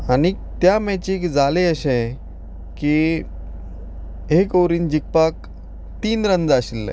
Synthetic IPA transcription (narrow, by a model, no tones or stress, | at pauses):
ani | t̪jamɛt͡ɕiːkd͡zaleəɕẽ | ki | ɦekowɾiːnd͡ʑik̚pak̚ | t̪iːnɾənd͡zaɕilːḛ̃